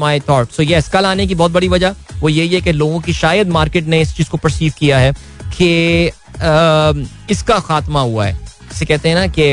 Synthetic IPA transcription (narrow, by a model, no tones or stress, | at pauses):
maːit̪ʰɔːɾʈsoːjɛskɐlaːnek̬ibɔːt̪̚bɐɽiʋɐd͡ʒaʋoːjeɦiɦɛkeloːɡõkiʃaːjəd̪maːɾkeːʈneɪst͡ʃiːz̥kopɐɾsiːʋkijaɦɛː | kʰe | ɪskaxaːt̪maɦua̰ɦɛ̰ː | ɪsekɛɦt̪eɦɛ̃nake